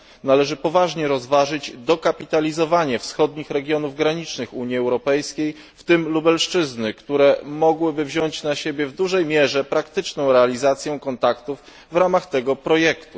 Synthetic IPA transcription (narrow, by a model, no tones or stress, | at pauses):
nalɛʐɘpɔvaʐɲɛɾɔzvaʐɘd͡ʑd̪ɔkapʲit̪alʲizɔvaɲɛfsxɔd̪ɲixɾɛɡʲjɔnuvɡɾaɲit͡ʂnɘxuɲjiɛwɾɔpɛjskʲej | ft̪ɘmlubɛlʂt͡ʂɘznɘkt̪uɾɛmɔɡwɘbɘvʑɔɲt͡ɕnaɕebʲjɛvd̪uʐɛjmʲjɛʐɛpɾakt̪ɘt͡ʂnɔ̃w̃ɾɛalʲizat̪sʲjɛkɔnt̪akt̪uvː | ɾamaxt̪ɛɡɔpɾɔjɛkt̪u